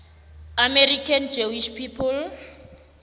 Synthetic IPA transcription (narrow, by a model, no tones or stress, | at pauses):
amɛrikʰand͡ʒowiʃpʰipʰul